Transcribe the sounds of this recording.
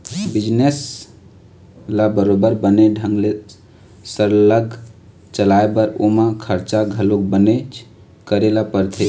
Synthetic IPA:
bid͡ʒnes | labəɾobəɾbəneɖʱə̃ŋɡle | səɾləɡ | t͡ʃəlaebəɾo̰mãkʰəɾt͡ʃaɡʱəlok̚bənet͡ʃ | kəɾelapəɾt̪ʰe

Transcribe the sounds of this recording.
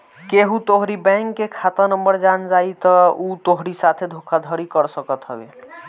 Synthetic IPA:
keɦut̪oɦɾibɛ̃ŋkːekʰat̪ənəmbəɾd͡ʒand͡ʒait̪ɔut̪oɦɾisat̪ʰed̪ʱokʰad̪ʱəɾikəɾsəkət̪ɦəbḛ

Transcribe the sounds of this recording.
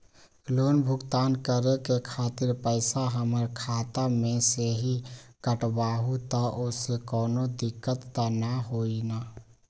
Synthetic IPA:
loːnbʱʊɡt̪aːnkəɾekekʰaːt̪ɪɾpəɪsaɦəməɾkʰaːt̪amẽseɦikəʈbaːɦut̪aʔosekɔːnod̪ɪkːət̪ːanaɦoːinaː

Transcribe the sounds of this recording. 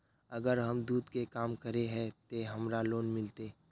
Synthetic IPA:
ɐɡəɾɦɐmd̪uːd̪kekaːmkəɾeɦɛ̃t̪oɦɐmɾaloːnmɪlt̪eː

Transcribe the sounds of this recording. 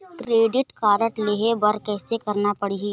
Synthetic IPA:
kɾeːɖɪʈkaːɾəʈleːɦebɐɾkɛːsekɐɾnapɐɽiɦiː

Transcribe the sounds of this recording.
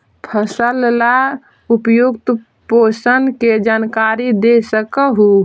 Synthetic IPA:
pʰəsəlla | upjuɡt̪ | posənked͡ʒankaɾid̪esəkəɦu

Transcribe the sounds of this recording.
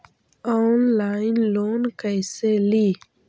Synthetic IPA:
ɔnlanlonkajseli

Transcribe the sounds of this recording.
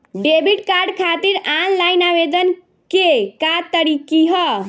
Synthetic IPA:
ɖebiʈkaɾɖkʰat̪iɾanlajnabed̪ən | kekat̪əɾikiɦɔ

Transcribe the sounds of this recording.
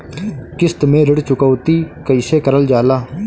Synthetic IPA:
kɪst̪mẽːɾəɽt͡ʃʊkəːt̪iːkəiseːkəɾəld͡ʒaːlaː

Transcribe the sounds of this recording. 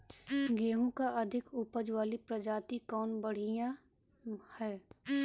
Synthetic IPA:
ɡeːɦũkaʔɐd̪ʱɪkupəd͡ʒwaːlipɾəd͡ʒaːt̪ikɔːnbəɽ̤ijã | hɛː

